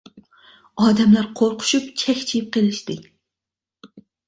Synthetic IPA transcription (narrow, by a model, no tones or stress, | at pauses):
ɑːd̪ɛmlæɾqʰoɾqʰʊ̥ʃupt͡ʃʰɛxʲt͡ʃʰijip̚qʰelɪʃt̪ɨ